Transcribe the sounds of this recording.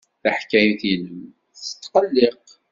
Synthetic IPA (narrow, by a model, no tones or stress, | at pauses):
θaħkːæjθjinəm | θə̥t̪ːqəlːeq